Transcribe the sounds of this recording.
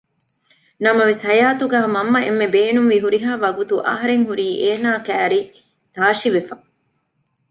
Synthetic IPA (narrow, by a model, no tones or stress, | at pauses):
nɐmɐʋesɦɐjaːt̪uɡaːɦmɐmːɐemːebeːnuŋʋiɦuɾiɦaːʋɐɡut̪uʔɐ̰ɦɐɾeŋɦuɾiːʔeːnaːkæːɾi | t̪aːʃiʋefɐ